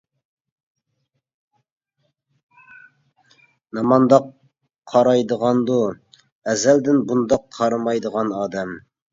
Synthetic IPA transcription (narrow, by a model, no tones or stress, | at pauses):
nɑmɑnd̪ɑqʰː | ɑɾɑjd̪əʁɑnd̪u | ɛzɛld̪ɪnbund̪ɑqʰːɑɾɨmɑjd̪əʁɑnɑːd̪ɛm